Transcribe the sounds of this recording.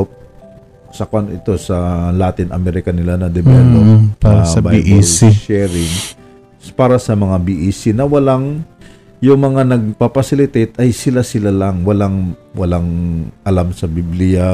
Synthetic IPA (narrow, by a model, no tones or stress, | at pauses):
p̚ | sɐkoʔanʔɪt̪o̞sɐlaːt̪ɪnʔɐ̰mɛɾɪkɐnɪlanɐd̪ɛbɛlopasɐbaiʔiliʃɛɾɪŋ | paːɾɐsɐmɐŋabiʔiːsinɐwɐlaŋ | jʊŋmɐŋanɐɡ̚papɐsɪlɪt̪et̪ɐjsɪlasɪlalɐŋwɐlaŋwɐlaŋʔɐlamsɐbiblɪja